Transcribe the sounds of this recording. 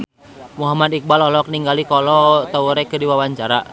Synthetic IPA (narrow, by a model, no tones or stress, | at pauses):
muɦamad̪ik̚balɔlɔk̚niŋɡalikɔlɔt̪ɔuɾɛkədiwawaɲt͡ʃaɾa